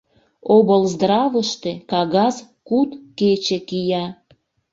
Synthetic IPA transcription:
obəlzd̪rɑβəʃt̪ekɑɣɑz | kut̪ket͡ɕekijɑ

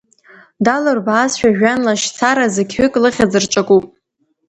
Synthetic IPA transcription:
dalɨrbaːsʃᶣaʒᶣanlaʃt͡sʰaɾazɨkʲʰhʏkʼlɨχʲad͡zɨrt͡ʃʷʼakʼupʼ

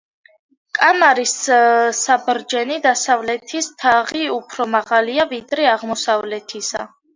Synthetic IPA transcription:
kʼamaɾisː | abɾd͡ʒɛnid̪asavlɛt̪ʰist̪ʰaʁiupʰɾɔmaʁaliavid̪ɾɛaʁmɔsavlɛt̪ʰisa

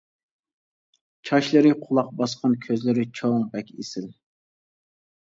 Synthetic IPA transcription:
t͡ʃʰɑʃlˠɨɾɪqʰʊlˠɑq̚bɑsqʰɑnkʲʰøzlɪɾɪt͡ʃʰoŋbɛkʲesɪl

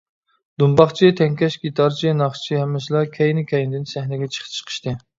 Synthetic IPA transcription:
d̪umbɑχt͡ʃʰit̪ʰɛŋkʲɛʃɡʲit̪ʰɑɾt͡ʃʰinɑχt͡ʃʰihɛmːɛʃlˠɑkʲʰɛjnɪkʲʰɛjnɪd̪ɪnsæhnɛɡʲɛt͡ʃʰə̥χʰt͡ʃʰə̥qʰə̥ʃt̪ɨ

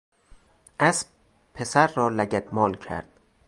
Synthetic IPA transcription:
ʔæsb̚ | pʰe̞sæɾːɒːlæɟæd̪mɒːlcʰæ̰ɾd̪̥

